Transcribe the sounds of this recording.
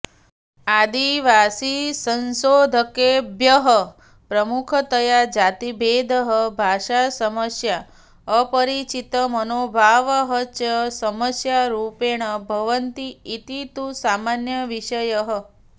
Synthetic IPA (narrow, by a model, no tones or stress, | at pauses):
ad̪iʋasisənsod̪ʱəkebjəɦə | pɾəmukʰət̪əjad͡ʒat̪ibʱed̪ʱəɦəbʱaʃasəməsja | əpəɾit͡ʃit̪əmənobʱaʋəɦət͡ʃəsəməsjaɾupeɽ̃əbʱəʋənt̪iːt̪it̪usamanjəʋiʃəjəɦə